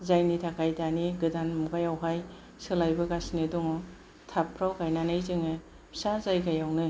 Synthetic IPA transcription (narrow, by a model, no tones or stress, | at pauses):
zajnitʰakʰajdaniɡɯdanmuɡajawɦaj | sɯlajbɯɡasnɯdɔŋɔ | tʰapʰɾawkajnanɯjzɯŋɯ | sazajɡajawnɯ